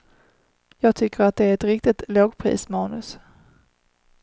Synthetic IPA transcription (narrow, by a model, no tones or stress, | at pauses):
jɑːɡ̚t̪ʰʏkːəɾat̪̚d̪ɛæɾɛt̪ɾɪk̚t̪ɪt̪loːɡpʰɾḭːsmɑːnɵs